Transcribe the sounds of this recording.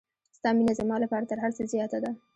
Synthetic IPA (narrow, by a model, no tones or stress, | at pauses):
st̪ɑminazamɑlapɑɾat̪əɾɦaɾt͡səzjɑt̪ad̪a